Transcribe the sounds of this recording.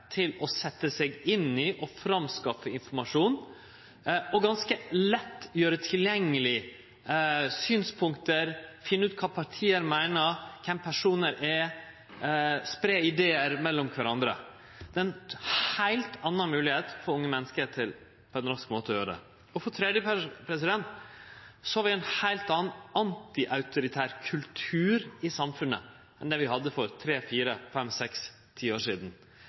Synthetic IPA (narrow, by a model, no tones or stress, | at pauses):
t̪ʰɪlɔsɛt̪ːəsɛɡɪnɪʔɔfɾɑmskɑfəɪnfɔɾmɑʂuːn | ɔɡɑnskəlɛt̪ːjøːɾət̪ʰɪljɛŋːəlɪ | syːnspʰʊŋkt̪əɾfɪnːʉːt̪̚kʰɑːpʰɑʈʰiːəɾmæɪnəɾkʰɛmpʰæʂuːnəɾɛ | spɾeːɪd̪eːəɾmɛlːɔmkʰʋæɾɑnd̪ɾə̰ | d̪̥ɛɛnhæɪlt̪ɑnːɑnmʉːlɪheːt̪fɔɾʊŋːəmɛnːəskət̪ʰɪl | pʰɔɛnɾɑskmoːt̪əɔjøːɾəd̪ɛ̰ | ɔfɔt̪ʰɾɛd̪jəpʰɾɛs̬ɪd̪ɛnt̪ | sɔhɑɾʋɪæɪnhæɪlt̪ɑːnɑnt̪ɪʔɑʉt̪ʊɾɪt̪ʰæːɾkʰʉlt̪ʰʉːɾɪsɑmfʉnːə̰ | ɛnd̪ɛʋɪɦɑd̪ːəfɔɾt̪ʰɾeːfiːɾəfɛmsɛks | t̪ʰiːoːʂiːd̪n̩